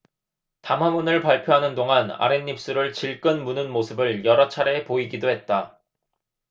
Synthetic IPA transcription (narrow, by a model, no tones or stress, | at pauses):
tamɦamunɯɭpaɭpʰjoɦanɯndoŋana̰ɾenːip̚s͈ɯɾɯɭt͡ɕiɭk͈ɯnmunɯnmosʰɯbɯɭjʌɾʌt͡ɕʰaɾe̞poiɡidoɦe̞t̚t͈a